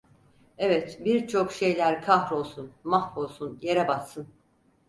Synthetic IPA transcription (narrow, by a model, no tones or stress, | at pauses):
evɛt̪biɾt͡ʃʰo̞kʃe̞jlʲæɾkʰahɾo̞lˠsunmahfo̞lˠsunje̞ɾɛbasːɯn